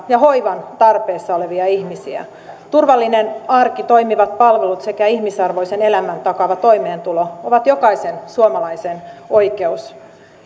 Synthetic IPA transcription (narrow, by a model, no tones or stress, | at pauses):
jɑɦo̞iʋɑnt̪ɑrpeːsːɑoleʋiɑihmisiæ̰ | t̪urʋɑlːinenɑrkit̪o̞imiʋɑt̪̚pɑlʋelut̪se̞kæihmisɑrʋo̞isenelæmænt̪ɑkɑʋɑt̪o̞imeːnt̪ulooʋɑt̪jokɑisensuomɑlɑiseno̞ike̞us